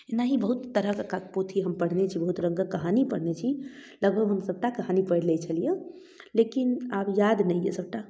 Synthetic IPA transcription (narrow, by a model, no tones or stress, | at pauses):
enaɦibəɦut̪ːəɾəkəkakput̪ʰiɦəmpəɽ̤net͡ʃʰibəɦut̪ɾəŋɡəkəɦanipəɽ̤net͡ʃʰi | ləɡbʱəɡʱɦəmsəb̚ʈakəɦanipəɽlɛt͡ʃʰəlije | lekinabjad̪nəjjḛsəb̚ʈa